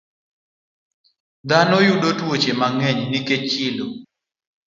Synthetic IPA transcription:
d̪anojuɗotwot͡ʃemaŋɛɲniket͡ʃilo

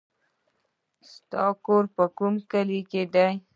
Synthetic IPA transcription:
st̪ɑkoɾpəkumkəliked̪aj

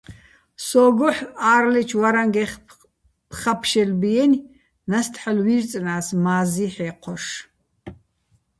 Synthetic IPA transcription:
sɔːɡɔħaːrlɛt͡ʃʰwaɾaŋɡɛχ | pʰχapʰʃɛlbijɛnʲ | nast̪ʰħalwirt͡sʼnaːsmaːziħɛqʰɔʃ

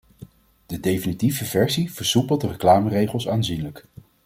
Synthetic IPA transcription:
d̥ədejfinitivəvɛɹsiv̥əɹsupəlˠdərəklaːmərejχəlˠsaːnzinlək

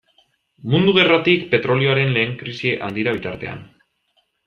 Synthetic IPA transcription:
mund̪uɣ̞e̞rat̪ikpe̞t̪ɾo̞lio̞aɾe̞nle̞ːŋkɾisieʔand̪iɾaβ̞it̪aɾt̪e̞̰a̰n

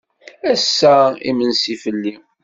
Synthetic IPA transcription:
æsːæḭmənsifəlːi

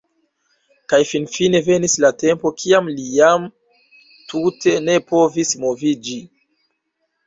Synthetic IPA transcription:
kajfinfine̞ve̞nislate̞mpo̞kʰiamlijam | tʰute̞ne̞po̞vismo̞vid͡ʒi

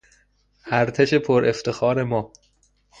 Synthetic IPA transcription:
ʔæɾt̪ʰeʃe̞pʰoɾʔeft̪ʰe̞xɒːɾe̞mɒː

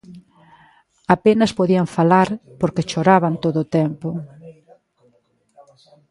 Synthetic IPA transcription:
apenɐspoðiaɱfalaɾpoɾket͡ʃoɾaβant̪oðot̪ɛmpo

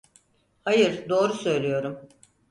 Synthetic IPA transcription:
hajɯɾd̪o̞ːɾusø̞jlʲijo̞ɾum

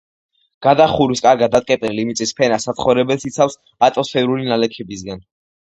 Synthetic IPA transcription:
ɡ̥ad̪aχuɾiskʼaɾɡad̪d̪ːat̪ʼkʼɛp̪ʼɛnlimit̪sʼispʰɛnasat̪sχɔvɾɛbɛlsit̪sʰafs | at̪ʼɔsfɛɾulinalɛkʰɛbisɡan

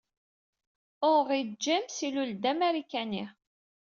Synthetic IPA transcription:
ʊʁid͡ʒːæmsiluld̪æmæɾikːæni

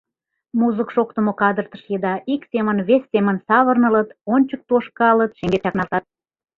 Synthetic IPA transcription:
muzəkʃok̚t̪əmokɑd̪ərt̪əʃjed̪ɑʔiksʲemənβesʲːemənsɑβərnələt̪onʲt͡ɕək̚t̪oʃkɑlət̪ʃĕŋɡet̪ɑknɑlˠt̪ɑt̪̚

